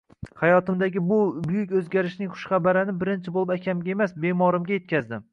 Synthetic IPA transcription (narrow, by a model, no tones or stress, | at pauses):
χajɒt̪ɪmd̪aɡʲɪbʊbʊjʊkʲɵzɡʲaɾɪʃnɪŋχʊ̥ʃχɑbaɾɪnɪbɪɾɪnt͡ʃʰɪbolˠɪbakʲʰamɡʲaemasbe̞mɒɾɪmɡʲaje̞t̪̚kʲazd̪ɪm